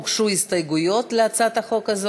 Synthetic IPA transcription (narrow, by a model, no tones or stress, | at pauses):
kʂuist̪ɐjɡʊjo̞t̪leat̪sat̪ɐχo̞kɐz